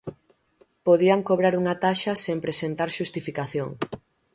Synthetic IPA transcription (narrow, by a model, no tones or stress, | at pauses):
poðiaŋkoβ̞ɾaɾuŋat̪aʃɐsempɾesent̪aɾʃust̪ifikaθjoŋ